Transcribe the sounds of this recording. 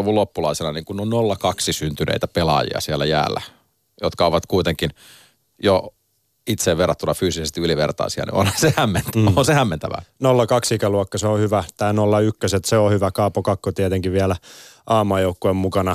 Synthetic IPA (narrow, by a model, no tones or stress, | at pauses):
uʋulopːulɑiselɑniːŋkunːonnolːɑkɑksisynt̪ynḛit̪æpelɑ̰jḭɑ̰siælːæjæ̰ːlːæ̰ | jot̪kɑoʋɑt̪kuit̪eŋkin | jo | it̪seʋʋerɑt̪ːunɑfyːsisest̪iyliʋḛrt̪ɑ̰isiɑ̰nḭo̰nhɑnsehæmːent̪ːonsehæmːent̪æʋæ̰nolːɑkɑksikæluokːɑseohyʋæt̪æːnolːɑykːøset̪seohyʋækɑːpokɑkːot̪iɛt̪eŋkiʋʋiælæ | ʔɑːmuɑːjoukːoemmukɑnɑ